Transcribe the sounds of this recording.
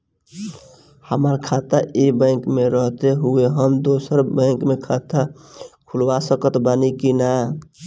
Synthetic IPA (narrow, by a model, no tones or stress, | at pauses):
həmaɾkʰat̪aʔibə̃ɪkmeɾəɦt̪eɦueɦəmd̪oːsəɾbə̃ɪkmekʰat̪ʰa | kʰulʋasəkət̪banikina